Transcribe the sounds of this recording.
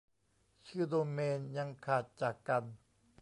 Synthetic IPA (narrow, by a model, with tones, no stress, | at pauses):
t͡ɕʰɯː˧˥˩d̪oː˧meː˧nja˧ŋkʰaː˨˩t̪̚t͡ɕaː˨˩kːa˧n